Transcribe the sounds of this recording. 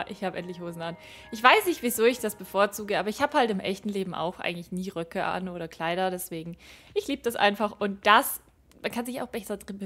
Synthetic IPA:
ʔɪçhaːbəʔɛ̰ntlɪçhoːzn̩an | ʔɪçv̥aɪsnɪçtv̥izoːɪçd̥asb̥əfoːɐt͡suːɡəaːbɐɪçhaːbəhaltɪmʔɛ̰çtn̩leːbm̩ʔa̰ʊxʔa̰ɪɡŋ̩tlɪçniːʁœkʰəʔa̰nʔoːɾɐkʰl̥aɪɾɐdɛsv̥eːɡŋ̩ʔɪçliːbəd̥asʔa̰ɪnfaχʔʊnt̚d̥as | mankʰanzɪça̰ʊxb̥ɛsɐdʁɪnb

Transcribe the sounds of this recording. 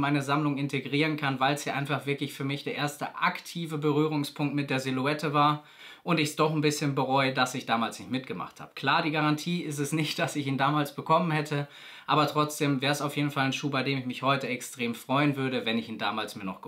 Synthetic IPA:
maɪnəzamlʊŋɪntʰeɡʁiːʁənkʰanvaɪlsjaːʔaɪnfaχv̥ɪɐklɪçfyːɐmɪçd̥eːɐʔeːɐstəʔaktʰiːvəbəʁyːʁ̞ʊŋspʰʊŋktmɪt̚d̥eːɐzeluɛtʰəvaːɐ | ʔʊntɪçsd̥ɔχn̩bɪsçənbəʁɔʏədasɪçd̥aːmaːlsnɪçtmɪtɡ̥əma̰χtha̰ːb̥ə̥kʰl̥aːɐdiːɡaʁantʰiːɪstɛsnɪçt̚d̥asɪçiːndaːmaːlsb̥əkʰɔmənhɛtʰə | ʔaːbɐtʁ̥ɔt͡sd̥eːmvɛːɐəsaʊfjeːdn̩faln̩ʃuːbaɪdeːmɪçmɪçhɔʏtəɛkstʁ̥eːmfʁ̥ɔʏənvʏɐɾəvɛnɪçiːnda̰ːmaːlsmiːɐnɔχɡ̥

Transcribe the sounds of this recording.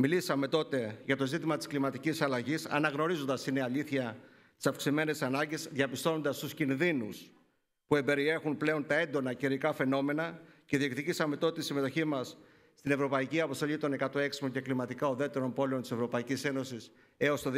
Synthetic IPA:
milisɐme̞t̪o̞t̪e̞ʝɐt̪o̞zit̪imɐt̪i̥sklimɐt̪icisɐlɐʝisɐ̰nɐɣno̞ɾizo̞nd̪ɐsineɐʎiθçɐ | t̪i̥sɐfksime̞nesɐnɐɲɟesðʝɐpist̪o̞no̞nd̪ɐst̪uscinðinus | pue̞mbe̞ɾie̞xunple̞o̞nt̪ɐe̞nd̪o̞nɐciɾikɐfe̞no̞me̞nɐceðiekt̪icisɐme̞t̪o̞t̪eisime̞t̪o̞çimɐsː | t̪ine̞vɾo̞pɐiciɐpost̪o̞ʎit̪o̞ne̞kɐt̪o̞e̞ksi̥moɲce̞klimɐt̪ikɐoðe̞t̪e̞ɾo̞mpo̞le̞o̞nt̪ise̞vɾo̞pɐicise̞no̞sis | e̞ost̪o

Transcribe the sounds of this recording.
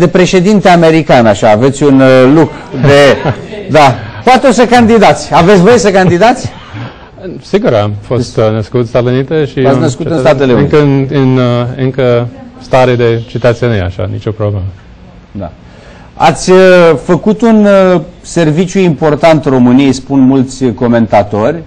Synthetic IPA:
d̪e̞pɾe̞ʃe̞d̪int̪eame̞ɾikanaʃaːve̞t̪sʲunlukɾud̪e̞d̪apoat̪eosəkand̪id̪at̪sʲavesʲvo̞jesəkand̪id̪at̪sʲ | siɡuɾamfo̞st̪nəskut̪st̪at̪eunit̪eʃiat̪snəskut̪ɨnst̪at̪eleunɨŋikənɨnɨŋkəst̪aɾed̪e̞t͡ʃit̪ət̪seneja̰ʃa̰nḭt͡ʃo̞pɾoblemə | d̪a̰ | a̰t̪sʲəfəkut̪unse̞rvit͡ʃjuimpo̞rt̪ant̪ro̞mɨnijejspunmult̪sʲko̞me̞nt̪at̪o̞rʲ

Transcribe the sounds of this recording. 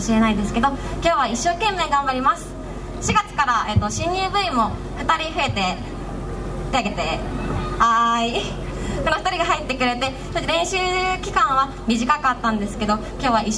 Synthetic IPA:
ɕiɾe̞naid̪e̞sɨ̥ke̞d̪o̞kʲo̞ːβ̞aiɕːo̞ːkẽ̞mːe̞ːɡãmbaɾʲimasɨ̥ | ɕiɡat͡sɨ̥kaɾaeːt̪ːo̞ɕĩɲɯːbɯ̟imo̞ | ɸɯ̟t̪aɾʲiɸɯ̟e̞t̪e̞ | t̪iaɡe̞t̪e̞ | ai | kono̞ɸɯ̟t̪aɾʲiɡaɦait̪ːe̞kɯ̟ɾe̞t̪e | soɕiɾẽ̞ɰ̃ɕɨːkʲi̥kãɰ̃βa | mʲiʑikak̟at̪ːãnd̪e̞sɨ̥ke̞d̪o̞ | kʲo̞ːβ̞ai

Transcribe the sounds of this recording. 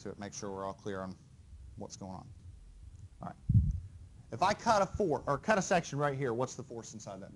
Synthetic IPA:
tʰɨɨ̰t̚meɪkʃʊɹwɪɹɔlˠkʰl̥ɪɹə̃n | wʌ̰tsɡ̥oʊɪ̃ŋə̰̃n | ɹa̰ɪt̚ | ɨfaɪkʰʌɾəfɔɹə˞kʰʌɾɨsɛkʃɨ̃n̩ɹaɪt̚ɦiɹwʌtsðəfɔɹsn̩saɪd̪̚ðɨ̰t̚

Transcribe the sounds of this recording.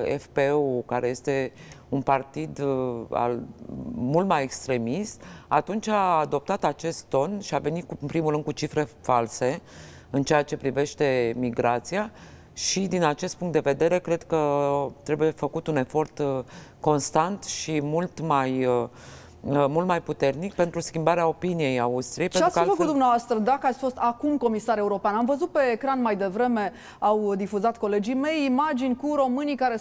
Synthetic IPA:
ḛfpeukaɾe̞je̞st̪e̞unpart̪id̪a̰l | mult̪maje̞kst̪ɾe̞mist̪at̪unt͡ʃʲaːd̪o̞p̚t̪at̪at͡ʃe̞st̪t̪ːo̞nʃiave̞nimpɾimulɾɨnd̪kut͡ʃifɾe̞false̞ | ɨnt͡ʃeat͡ʃe̞pɾive̞ʃt̪e̞miɡɾat̪sia | ʃid̪inat͡ʃe̞st̪puŋkt̪d̪e̞ve̞d̪e̞ɾe̞kɾe̞d̪kət̪ɾe̞buje̞fəkut̪une̞fo̞rt̪ko̞nst̪ant̪ʃimult̪maj | mult̪majput̪e̞rnik̚pe̞nt̪ɾuskʲimbaɾeao̞pinije̞jaust̪ɾijejt͡ʃeeaɾkfəkut̪d̪umneavast̪ɾəd̪akəat̪sʲfo̞st̪akumko̞misaɾe̞uɾo̞peanamvəzut̪̚pe̞ːkɾanmajd̪e̞vɾe̞me̞ | awd̪ifuzat̪ko̞le̞d͡ʒime̞jimad͡ʒinʲkuɾo̞mɨnikaɾe

